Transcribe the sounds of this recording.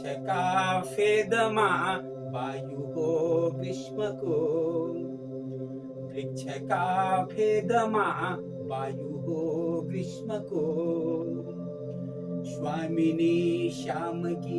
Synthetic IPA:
t͡ʃʰɐkaːpʰeːd̪ɐmaː | ʋaːjuɦokɾɪʂmɐko | ɾik̚t͡ʃʰɐkaːpʰeːd̪ɐma | baːjuɦoːkɾɪʂmɐko | ʃwaːminiʃaːmɐki

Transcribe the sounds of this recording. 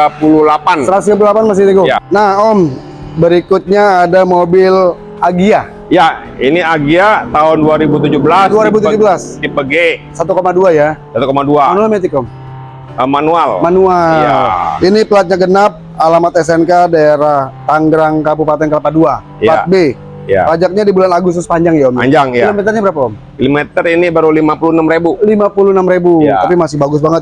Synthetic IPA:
apululapansəɾat̪us̬iɡapululapanmas̬ɪt̪iɡujanahɔm | bəɾikut̪̚ɲaːdamobɪl | aɡia | ja | iniaɡiat̪aɦʊnduaɾibut̪̬ud͡ʒubəlasduaɾibut̪ud͡ʒubəlasdipəɡesat̪ukomaduajasat̪ukomaduamanualmɛt̪ikɔm | əmanualmanuala̰iniplat̪̚ɲaɡənap̚ | alamat̪ɛsɛnkadaeɾaht̪aŋɡɾaŋkabupat̪ɛnkəlapadua | jat̚be | ja̰pad͡ʒak̚ɲadibulanaɡʊst̪ʊspaɲd͡ʒaŋjaɔma̰ɲd͡ʒaŋjilomɛt̪ərɲabəɾapaɔm | kilumet̪əɾinibaɾulimapulunamɾebulimapulunamɾebuat̪apimasɪhbaɡʊs̬baŋət̪̚

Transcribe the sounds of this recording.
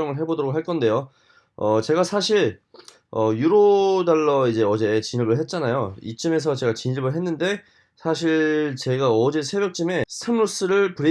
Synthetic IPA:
ʌŋɯɭɦe̞bodoɾokɦaɭk͈ʌnde̞jo | ʌt͡ɕe̞ɡasʰaɕʰiɭ | ʌjuɾodaɭːʌid͡ʑe̞ʌd͡ʑe̞t͡ɕiɲiɭbɯɭɦe̞t̚t͡ɕ͈anajoḭt͡ɕ͈ɯme̞s̬ʰʌt͡ɕe̞ɡat͡ɕiɲiɭbɯɭɦe̞nːɯnde̞ | sʰaɕ̬ʰiɭt͡ɕe̞ɡaʌd͡ʑe̞sʰe̞bjʌk̚t͡ɕ͈ime̞sʰemɾos͈ɯɾɯɭpɯɾi

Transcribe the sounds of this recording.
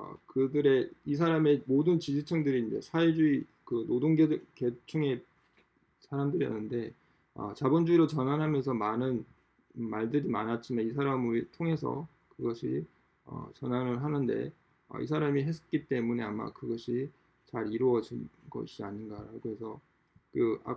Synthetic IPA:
ʌ̰kɯdɯɾe̞is̬ʰaɾame̞modɯnt͡ɕid͡ʑit͡ɕʰʌŋdɯɾiːnd͡ʑe̞̰sʰaed͡ʑuikɯnodoŋɡeke̞t͡ɕʰɯŋe̞ | sʰaɾamdɯɾijʌnːɯnde̞ | ʌ̰t͡ɕabond͡ʑuiɾot͡ɕʌnɦanɦamjʌnsʰʌmanɯn | maɭdɯɾimanɦat͡ɕʰimeis̬ʰaɾamɯɭtʰoŋe̞s̬ʰʌ̰ | kɯɡʌɕʰi | ʌ̰t͡ɕʌnɦanɯɭɦanɯnde̞̰ | ʌ̰ḭsʰaɾamiɦe̞s͈ʰʌ̥k͈it͈e̞mune̞ama̰kɯɡʌɕʰi | t͡ɕaɾiɾoʌd͡ʑinɡʌ̰ɕʰiaɲinɡaɾaɡohe̞sʰʌ | kɯa̰

